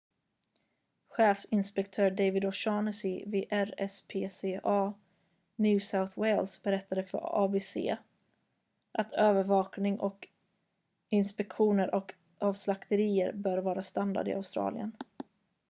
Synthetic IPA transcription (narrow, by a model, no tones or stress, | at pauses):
ɧeːfsɪnspɛk̚t̪ʰœːɾɖejvɪd̪ɔʃɑːnəsɪveːʔæɾɛspʰeːseːʔɑː | njʉ̟ːsaʊθwɛjlsbɛɾɛt̪ʰːad̪əfœ̰ɾɑːbeːsḛː | ʔat̪ʰøːvəɾvɑːknɪŋʔɔ̰k | ɪnspɛkɧuːnəɾʔɔk | ʔɑːvslakt̪əɾiːə̰ɾbœːɾvɑːɾast̪and̪a̰d̪ɪ̰a̰ʊst̪ɾɑ̰ːlɪ̰ə̰n